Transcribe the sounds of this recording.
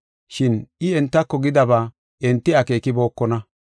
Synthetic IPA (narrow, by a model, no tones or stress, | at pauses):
ʃɪnʔɪɛnt̪ːɐkːɔɡɪd̪ɐbaː | ɛnt̪ːɪake̞ːkɪbo̞ːkːɔnɐ